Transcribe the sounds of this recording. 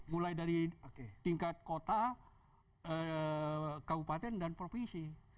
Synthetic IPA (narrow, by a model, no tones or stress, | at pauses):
mulajdaɾioket̪iŋkat̪̚kot̪a | ə | kabupat̪ɛndanpɾofinsi